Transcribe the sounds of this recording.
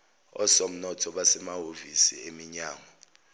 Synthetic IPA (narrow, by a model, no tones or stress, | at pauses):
ɔ̰som̩nɔtʰɔɓasɛmaɦovisḭemiɲaːŋɔ